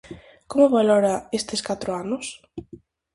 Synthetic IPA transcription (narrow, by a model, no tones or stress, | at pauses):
komʊβalɔɾɐest̪ɪskat̪ɾʊanʊs